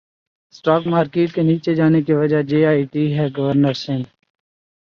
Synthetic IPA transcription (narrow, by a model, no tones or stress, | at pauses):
sʈaːkmaːɾkeːʈkeniːt͡ʃed͡ʒaːnek̬iʋəd͡ʒad͡ʒeːaːiʈiːɦɛːɡəʋəɾnəɾsɪ̃n